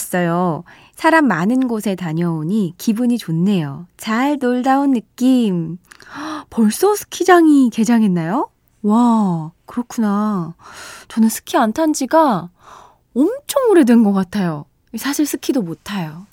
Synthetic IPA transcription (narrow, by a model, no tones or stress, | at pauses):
s͈ʌjo | sʰaɾamːanɯnɡosʰe̞taɲʌoɲikibuɲit͡ɕonːe̞jot͡ɕaɭnoɭdaonːɯk͈im | pʌɭs͈ʌsʰɯ̥kʰid͡ʑaŋike̞d͡ʑaŋɦe̞nːajo | wakɯɾʌkʰuna | t͡ɕʌnɯnsʰɯ̥kʰiantʰand͡ʑiɡa | ʌmt͡ɕʰoŋuɾedɯnɡʌk͈atʰajo | sʰaɕʰiɭs͈ʰɯkʰidomotʰajo